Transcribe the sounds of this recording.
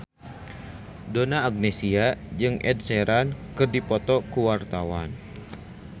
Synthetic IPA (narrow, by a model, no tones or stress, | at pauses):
donaːɡ̚nesiad͡ʒɨŋʔɛ̰d̚sɛɾankɨrdipɔt̪ɔkuwart̪awa̰n